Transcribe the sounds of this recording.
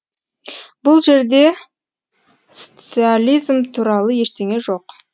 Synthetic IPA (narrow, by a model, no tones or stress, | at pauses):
bʊlˠʒe̞ɾd̪e̞ | sot̪sɨalʲijzmt̪ʰuɾɑlˠəje̞ʃt̪e̞ŋe̞ʒo̞q